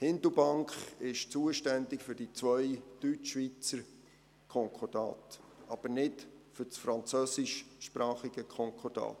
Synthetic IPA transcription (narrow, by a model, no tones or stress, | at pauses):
hɪndəbɑŋkχɪʃt͡suəʃtændɪkfʏɾd̥it͡sʋœʏd̥yt͡ʃːʋit͡səɾ | kʰɔŋkʰɔdɑ̰tɑb̥əɾnɪtfʏɾt͡sfɾɑnt͡søːsɪʃʃpɾɑːχɪɡ̥əkʰɔŋkʰɔdɑ̰ːt